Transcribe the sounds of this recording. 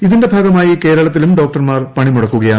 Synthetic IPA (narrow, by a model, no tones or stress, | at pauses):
iðinde̞bʱaːɡɐmaːjike̞ːɾɐɭɐt̪ːilumɖo̞ːk̚ʈɐrmaːrpɐɳimuɽɐkːuɣɐjaː